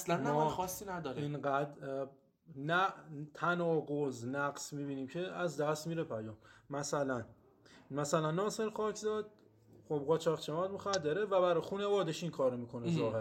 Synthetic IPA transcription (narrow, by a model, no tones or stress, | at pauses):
slænmɔxɒsːinæd̪ɒɾiinɢæd̪ | næt̪ʰænɒːɡoznæɡsmiːbiːniːmcʰe̞æzd̪æst̪miːɾepʰæjɒːmmæsælæn | mæsælænːɒːse̞ɾxɒːcʰzɒd̪̥̚ | xob̚ʁɒt͡ʃʰɒːʁt͡ʃʰemɒd̪moxæd̪ːeɾevæbæɾɒjxuːnevɒːd̪eʃiŋkʰɒːɾomiːkʰo̞nezɒːɦeɾ